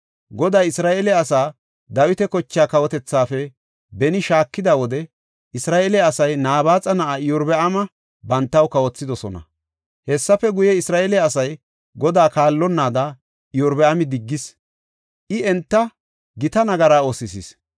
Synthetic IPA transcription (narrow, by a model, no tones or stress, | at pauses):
ɡɔd̪aːjɪsɾaːʔeːlɛɐsaː | d̪ɐwɪt̪ɛkɔt͡ʃːɪjaːkɐwɔt̪ɛt͡sːaːfɛ | bɛnɪʃaːkːɪd̪ɐwɔd̪ɛ | ʔɪsɾaːʔeːlɛɐsɐjnaːbaːt͡sʼɐnɐʔaɪjɔɾbɛʔɐmɐ | bɐnt̪ːɐwkɐwɔt͡sːɪd̪ɔsɔnɐ̰ | hɛsːɐfɛɡʊjɛɪsɾaːʔelɛːsɐj | ɡɔd̪aːkaːlːɔnːaːd̪ɐ | ɪjɔɾbɛʔɐmɪd̪ɪɡːɪs | ʔɪɛnt̪ːɐ | ɡɪt̪ɐnɐɡɐɾaːosɪsɪs